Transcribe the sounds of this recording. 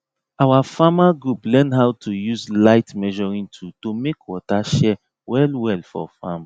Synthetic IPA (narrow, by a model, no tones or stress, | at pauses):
awafamaɡɹuplɛ̃nɦawtʰujuzlaɪtmɛʒɔɹĩntʰutomekwɔtaʃɛ | wɛlwɛlfɔ̰fam